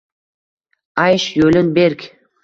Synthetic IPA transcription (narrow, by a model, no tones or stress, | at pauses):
ɑjʃjɵlɪnbeɾkʲ